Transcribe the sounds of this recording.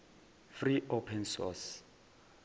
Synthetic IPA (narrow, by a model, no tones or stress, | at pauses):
friʔopʰɛnsɔ̰s